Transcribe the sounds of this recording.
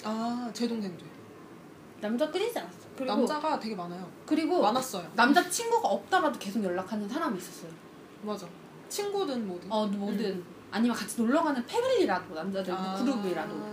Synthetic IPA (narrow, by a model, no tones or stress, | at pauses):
at͡ɕe̞doŋdendwe | namd͡ʑak͈ɯɲid͡ʑianas͈ʌjkɯɾiɡod͡ʑaɡate̞ɡemanajokɯɾiɡonas͈ʌjonamd͡ʑat͡ɕʰinɡuɡaʌp̚t͈ʌɾadoke̞sʰokjʌɭːakʰanɯnsʰaɾamiːs͈ʌs͈ʌjo | mad͡ʑa | t͡ɕʰinɡudɯnmodɯʌmʌdɯn | aɲimʌnkat͡ɕʰinoɭːʌɡanɯnpʰe̞biʎiɾadonamd͡ʑadɯkudobuiɾado